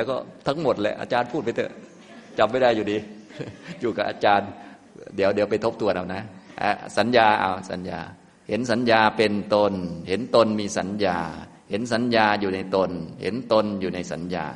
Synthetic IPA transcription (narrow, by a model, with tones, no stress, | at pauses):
lɛː˧˦˥wkɔː˥˩t̪ʰa˦˥ŋmo˧˩t̪̚lɛ̰˧˨ʔa̰ː˧t͡ɕaː˧npʰuː˥˩t̪̚pa˧jt̪ʰɯ˧˩ | t͡ɕa˨˩pm̚ːa˥˩jda˥˩jːuː˨˩diː˧˦ | juː˨˩ka˨˩pʔaː˧t͡ɕaː˧n | di˨˩˦əwdi˨˦pa˧˩jt̪ʰo˦˥p̚t̪ʰu˧ɐna˧˩wna˦˥ʔa̰˧˩sa˨˩˦njaː˧ʔa̰˧˩wsa̰˨˦nja̰ː˧ | he˨˦nsa˨˦njaː˧pe˧nt̪o˧nhe˨˦nt̪o˧nmiː˧sa˨˦njaː˧ | he˨˩˦nsa˨˦njaː˧juː˨˩na˧jt̪o˧nhḛ˨˦nt̪o˧njuː˨˩na˧jsa̰˨˩˦nja̰ː˧